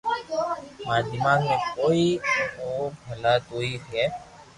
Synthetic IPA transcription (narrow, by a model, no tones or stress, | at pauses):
maːd̪ɪmãːnmẽkoːioːbʱəlat̪oːiɦɦɛː